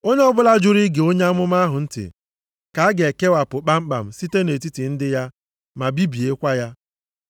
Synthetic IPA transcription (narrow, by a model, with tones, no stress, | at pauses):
o˦ɲe˦ɔ˦bʊ˦la˦d͡ʒu˦ɾi˦ɡe˨o˦ɲe˦a˦mʊ˦m˦a˦ɦʊ˨n̩˦tɪ̰˨ | ka˨a˦ɡe˨ke˦wa˨pʊ˨k͡pa˦ŋ͡m̩˦k͡pa̰˨m̩˨si˦te˦ne˨t̬i˦ti˨n̩˦dɪ˦ja˦ | ma˨bi˦bi˨e˦kʷa˦ja˦